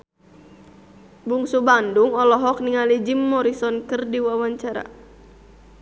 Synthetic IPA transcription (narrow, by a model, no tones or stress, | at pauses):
buŋsubanduŋɔlɔɦɔk̚niŋalid͡ʒimːɔɾisɔnkɨrdiwawaɲt͡ʃaɾa̰